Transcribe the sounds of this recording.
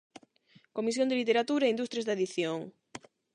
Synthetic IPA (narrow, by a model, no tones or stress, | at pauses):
komisjõnd̪elit̪eɾat̪uɾaeind̪ust̪ɾjezðeðiθjoŋ